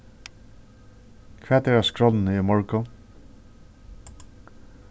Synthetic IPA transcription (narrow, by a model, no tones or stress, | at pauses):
kʰvɛːt̪ɛɹaskɹɔlnəimɔɹkʊ